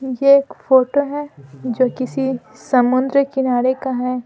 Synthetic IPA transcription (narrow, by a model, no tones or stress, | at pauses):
jeːkfoːʈoɦɛːd͡ʒoːkɪsi | sɐmʊnd̪ɾəkɪnaːɾekaɦɛː